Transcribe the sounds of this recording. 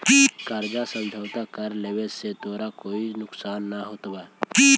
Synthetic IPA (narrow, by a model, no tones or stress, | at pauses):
ikəɾd͡ʒasə̃nd͡ʒʱawt̪akəɾlebeset̪oːɾakoːinʊksaːnːaɦot̪bai